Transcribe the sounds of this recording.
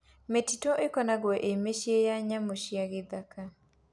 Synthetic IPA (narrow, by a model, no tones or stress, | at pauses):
metitoʔekɔnaɡwɔʔemeʃjejaɲamoʃjaɡɪd̪aka